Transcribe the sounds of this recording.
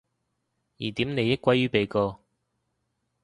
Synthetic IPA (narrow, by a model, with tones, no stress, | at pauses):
jḭː˨˩t̪i˨˥mne˨˧jːɪ˥k̚ʷɐ˨˥jɥyː˨˥pe˨jkɔː˧